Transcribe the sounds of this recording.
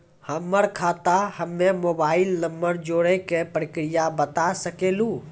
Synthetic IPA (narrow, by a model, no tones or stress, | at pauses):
həmːəɾkʰat̪ahəmːemobaːɪlnəmbəɾd͡ʒoɽɛkepɾəkɾijabət̪asəkelũ